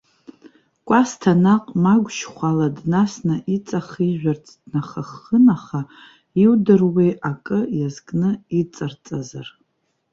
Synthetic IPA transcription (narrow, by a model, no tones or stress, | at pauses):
kʷʼastʰanaqʼmaɡʷʃχʷaladnasnɨʔit͡sʼaχiʒᶣʷart͡sʰʼd̥naχaχənaχa | iwdɨrwejʔakʼɨjazkʼnɨit͡sʼart͡sʼazar